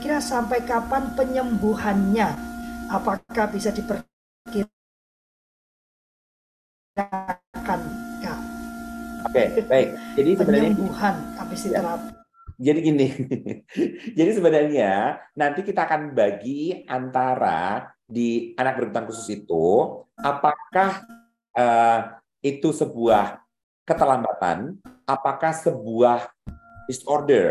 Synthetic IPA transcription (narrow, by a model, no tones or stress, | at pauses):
kiɾasampajkapanpəɲəmbuhanɲaʔapakahbisadipər | ki | akanja | okebaɪk̚d͡ʒadisəəbənəambuhanapisit̪əɾap | d͡ʒadiɡinɪ | d͡ʒadisəbənarɲanant̪ikit̪aːkanbaɡiant̪aɾa̰ | dianak̚bərɡut̪aŋkusʊsit̪uʔapakah | ʔəː | it̪usəbuah | kət̪əlambat̪a̰nʔapakahsəbuahdisɔrdər